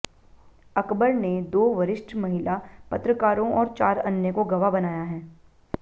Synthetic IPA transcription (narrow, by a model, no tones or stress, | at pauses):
ɐkbəɾned̪oːʋɐɾɪʃʈʰmɐɦɪlapɐt̪ɾəkaːɾõʔɔːɾt͡ʃaːɾɐnjəkoɡɐʋabɐnaːjaɦɛː